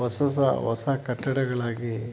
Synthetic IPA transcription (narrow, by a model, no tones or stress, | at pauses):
ɐsɐs̬ɐ̰ʋɐsakɐʈːɐɽɐɡɐɭaːɡi